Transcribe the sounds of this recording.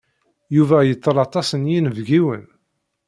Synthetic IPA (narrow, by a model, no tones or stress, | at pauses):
juvæjət͡s̪ˤːəlɑt̪ˤɑsənjinvɡiwən